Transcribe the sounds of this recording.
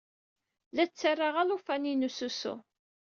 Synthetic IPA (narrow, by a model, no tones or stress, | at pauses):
læt͡sːərˤːaʁalufæninususṵ